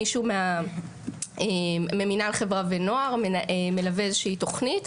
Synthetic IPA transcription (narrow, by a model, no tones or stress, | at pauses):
iʃumea | eme̞minaleχevʁaveno̞aʁmeme̞laveezeʃiito̞χnit